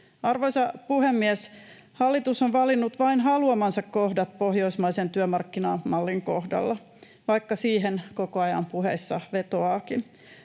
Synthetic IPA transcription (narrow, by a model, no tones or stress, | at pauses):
ɑrʋoisɑpuhemːiɛs | hɑlːit̪usoʋʋɑlinːut̪ʋɑinɦɑluɑmɑnsɑkkohdɑt̪pohjo̞ismɑisent̪yømɑrkːinɑːmɑlːiŋkohdɑ̰lːɑ | ʋɑikːɑsiːɦenkokoɑjɑ̰mpuhḛsːɑʋe̞t̪oɑːkin